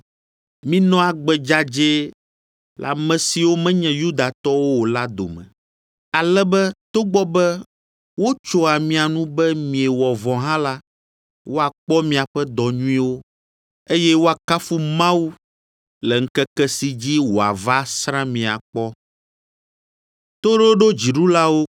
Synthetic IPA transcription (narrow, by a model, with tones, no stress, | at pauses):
mĩ˦nɔ̃˦a˨ɡ͡bɛ˨d͡ʒa˦d͡ʒe˦ | la̰˨mɛ̃˨si˨wo˦mɛ̃˦ɲɛ̃˨ju˦d̪a˨t̪ɔ˦wo˦wo˨la˦d̪o̰˨mɛ̰̃˨ | a˨lɛ˦bɛ˦t̪o˦ɡ͡bɔ˦bɛ˦ | wo˦t͡ʃo˦a˨mĩ˦a˨nũ˦bɛ˦mĩ˨ɛ˨wɔ˨vɔ̃˨ɦã˦la˦ | wo˦a˨k͡pɔ˦mĩ˨a˨ɸɛ˦d̪ɔ˨ɲũ˦ĩ˦wo˦ | e˦jɛ˦wo˦a˨ka˦fu˦mã˦wu˦ | lɛ˨ŋ̩˦kɛ˦kɛ˦si˨d͡ʑi˦wo˨a̰˨va˦sɾã˦mĩ˨a̰˨k͡pɔ˦ | t̪o˦ɖo˦ɖo˦d͡ʑi˨ɖu˦la˦wo˦